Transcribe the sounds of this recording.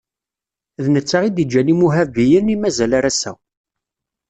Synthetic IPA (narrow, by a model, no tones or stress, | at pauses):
ðnət͡sːaʁid̪id͡ʒːænimuɦævijənimæzælaɾæsæ̰w